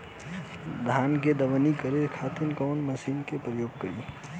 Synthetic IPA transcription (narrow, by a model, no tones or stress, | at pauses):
d̪ʱaːnked̪əʋənikəɾekʰaːt̪inkɔːnməsiːnkepɾəjoːɡ̚kəɾiː